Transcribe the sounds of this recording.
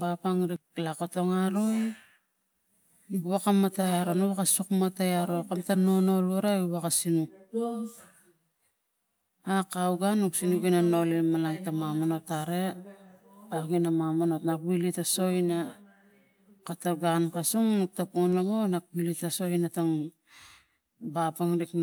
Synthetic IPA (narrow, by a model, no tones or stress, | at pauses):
bapaŋɾiklako̞to̞ŋaɾoj | buβakamatajaɾonoβakasukmatajaɾo̞kamtano̞no̞luɾaiβakasinuk̚ | akawɡanuksinukinano̞limalaŋtamamano̞taɾe̞ | aɡinamamano̞tnakwilitaso̞ina | kataɡankasuŋnuk̚tapuŋnlamonak̚wilitaso̞inataŋ | bapaŋɾik